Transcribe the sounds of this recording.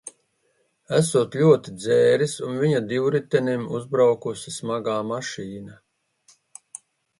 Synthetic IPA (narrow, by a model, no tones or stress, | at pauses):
æsuɔt̪lʲuɔt̪id̪zɛːɾisunviɲad̪iwɾit̪ɛnimuzbɾawkusismaɡaːmaʃiːna